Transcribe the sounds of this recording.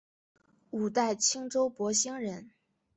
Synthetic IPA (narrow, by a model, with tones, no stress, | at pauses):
u˨˩t̪a˥˩ɪt͡ɕʰi˥ŋʈ͡ʂo˥ʊpwɔ˧˥ɕi˥ŋɻə˧˥n